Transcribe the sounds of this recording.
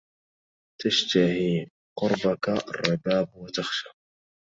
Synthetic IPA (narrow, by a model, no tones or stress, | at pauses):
t̪aʃt̪ahiː | qʊɾbaka̰rˤːɑbaːbwat̪axʃaː